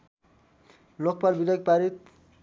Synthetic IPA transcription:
lokpalbid̪ek̚paɾit̪̚

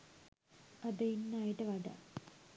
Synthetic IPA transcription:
ɐd̪ɐinːaːjiʈːɐʋɐɖɐ̰

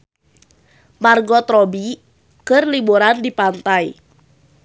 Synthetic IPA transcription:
marɡɔt̪ɾɔbi | kɨrlibuɾandipant̪aj

